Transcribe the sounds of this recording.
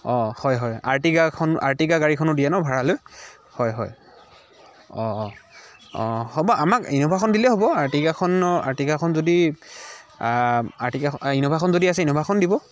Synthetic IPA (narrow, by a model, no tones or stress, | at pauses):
ɔ̃hɔjɦɔja̰ɹtiɡakʰɔnʔa̰ɹtiɡaɡaɹikʰɔnʊdijɛnɔbʱaɹaloj | hɔjɦɔ̰j | ɔ | ɔ̰hobɔʔamakinobʱakʰɔndilɛɦobɔaɹtiɡakʰɔna̰ɹtiɡakʰɔnzodi | aɹtikainobʱakʰɔnzodiasɛinobʱakʰɔndibɔ